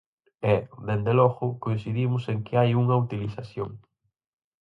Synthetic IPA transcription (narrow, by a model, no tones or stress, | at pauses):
ɛd̪end̪elɔɣʊkoin̟θiðimʊseŋkɪajuŋɐut̪iliθaθjoŋ